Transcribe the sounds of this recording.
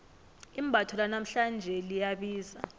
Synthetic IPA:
im̩bʱatʰɔlanam̩ɬand͡ʒʱɛlijaɓiːza̰

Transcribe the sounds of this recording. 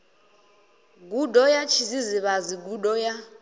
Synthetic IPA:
ɡudɔjat͡ʃʰiziziβaziɡudɔja

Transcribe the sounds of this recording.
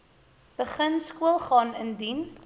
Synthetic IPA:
b̥əχənskuəlˠχɑːnəndin

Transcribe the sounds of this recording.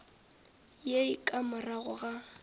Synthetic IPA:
jeikʼamʊraɣʊɣa

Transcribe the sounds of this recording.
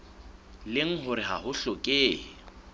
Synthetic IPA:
lɪŋ̩ɦʊɾɪɦa̰hʊɬɔkʼeː

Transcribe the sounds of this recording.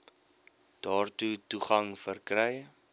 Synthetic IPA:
d̥ɑːrtutuχɐŋfərkrɛj

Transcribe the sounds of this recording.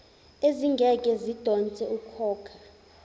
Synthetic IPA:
eziŋɡʱɛkʼɛzid̥ʱɔnt͡sʼɛukʰɔːkʰḁ

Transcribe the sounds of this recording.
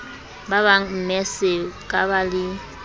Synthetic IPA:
baβaŋm̩mɛsɪkʼaβalɪ

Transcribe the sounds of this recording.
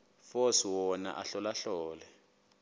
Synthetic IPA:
fɔswɔna̰ʔaɬɔlaɬɔːlɛ

